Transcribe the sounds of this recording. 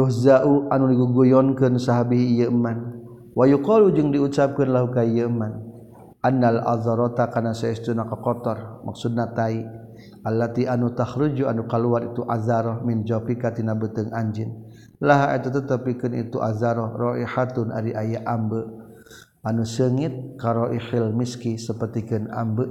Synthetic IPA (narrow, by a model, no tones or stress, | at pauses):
ɾuhzaʔuʔanudiɡuɡujɔnkɨnsaɦabiɦːjəəman | wajuqɔlud͡ʒɨŋdiusap̚kənlaɦukaijəəman | ʔanːalʔa̰ðɔɾɔt̪akanasaist̪unakakɔt̪ɔrmʔa̰ksud̚nat̪ai | ʔalːat̪iʔanut̪ahɾud͡ʒuanukaluaɾit̪uʔazaɾɔhmɪnd͡ʒɔpikat̪inabət̪əŋaɲd͡ʒɪn | laɦaʔɛt̪ut̪ət̪əpikənḭt̪uʔa̰zaɾɔhrɔʔihat̪ʊna̰ɾiʔajaʔambə | ʔanusəŋit̪̚kaɾɔʔihɪlmiskisəpərt̪ikəna̰mbəʔ